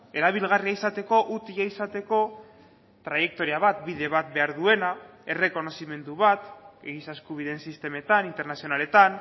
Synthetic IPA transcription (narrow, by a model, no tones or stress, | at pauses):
e̞ɾaβilɣariaisat̪e̞ko̞ʔut̪iaisat̪e̞ko̞ | t̪ɾaje̞k̚t̪o̞ɾiaβ̞at̪biðe̞β̞at̪̚be̞aɾðue̞na | e̞re̞ko̞no̞sime̞nd̪uβat̪eɣisaskuβ̞iðe̞nsist̪e̞me̞t̪anint̪e̞ɾnasio̞nale̞t̪an